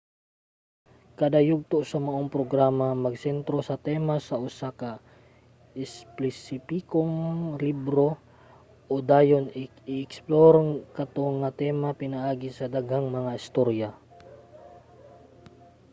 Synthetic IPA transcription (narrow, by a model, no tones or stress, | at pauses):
kɐd̪ajuɡ̚t̪oʔsɐmɐʔoŋpɾoɡɾamamɐɡ̚sɛnt̪ɾo̞sɐt̪ɛmasɐʔʊsaka | ɛsplɛsipikoŋlibɾo̞ | ʔod̪aːjon | ɪɛksploɾŋkɐt̪oŋɐt̪ɛmapɪnaʔaːɡɪsɐd̪aɡhaŋmɐŋaɪst̪oɾja